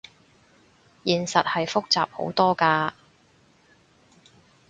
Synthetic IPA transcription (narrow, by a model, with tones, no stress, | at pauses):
jiː˨˩nsɐ˨t̚hɐ˨jfʊ˥k̚t͡saː˨p̚ho̰˨˧˥wt̪ɔː˥kaː˧